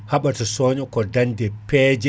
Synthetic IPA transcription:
haɓatasoɲɔkɔdandɛpɛd͡ʒɛ

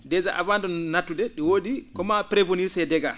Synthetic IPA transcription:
dɛzaʔavandɔnnatːudɛɗiwoːdikɔmapɾevoniɾsɛdɛɡa

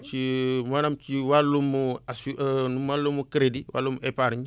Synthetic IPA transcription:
t͡ʃimanamt͡ʃiwalːumuasunumalːumukɾediwa̰lːumepaɾiɲ

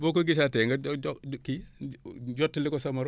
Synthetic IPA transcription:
bok̬oɡis̬atɛŋɡaki | ɟɔtːilikɔsɐmaɾ

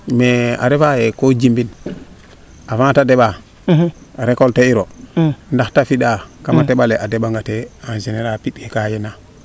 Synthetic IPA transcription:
mea̰ɾefajekod͡ʒimbin | afãŋtadeɓa | ɾekolteiɾondaxtafiɗakamateɓaleʔadeɓaŋɡateanzeneɾapiɗkekajena

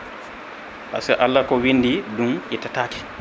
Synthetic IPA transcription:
ʔa̰sɛʔalːakɔwinːdidumʔitataːki̥

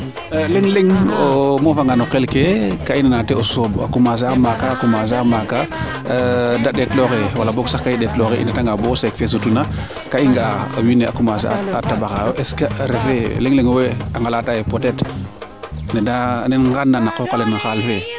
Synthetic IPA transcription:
leŋleŋomofaŋɡanokelkekainanateosoba̰kumaːs̬aamakakumas̬aamaka | daɗetloxewalaboksakːaiɗɛtloxeʔḭndataŋɡabosekfes̬utuna | kaiŋɡaawineakumas̬a̰atabaxajoʔɛskaɾefeleŋleŋoweaŋɡalatajepotɛt | nedanenŋɡanːanakokalɛnaxalfe

